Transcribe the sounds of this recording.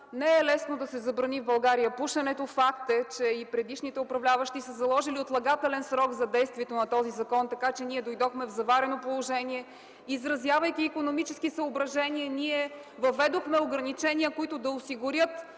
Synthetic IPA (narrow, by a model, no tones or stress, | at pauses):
nɛɛlɛsnod̪ɐsɛzɐbɾɐnivbɐlˠɡaɾijəpuʃɐnɛt̪ofakt̪ɛt͡ʃɛipɾɛd̪iʃnit̪ɛʊpɾɐvlʲavɐʃt̪isɐzɐlˠɔʒiliot̪lˠɐɡat̪ɛlɛnsɾɔɡzɐd̪ɛjst̪vʲiɛt̪onɐt̪ɔzizɐkɔnt̪ɐkat͡ʃɛniɛd̪ojd̪ɔxmɛvzɐvaɾɛnopolˠoʒɛniɛ | izɾɐzjavɐjkʲiːkonomit͡ʃɛskisɐobɾɐʒɛniəniɛ | vɐvɛd̪oxmɛoɡɾɐnit͡ʃɛniəkʊit̪ʊd̪ɐosiɡʊɾjət̪